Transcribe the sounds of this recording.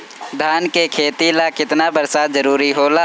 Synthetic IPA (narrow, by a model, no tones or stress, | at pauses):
d̪ʱaːnkekʰeːt̪ilakɪt̪nabəɾsaːd͡ʒəɾuːɾiɦoːla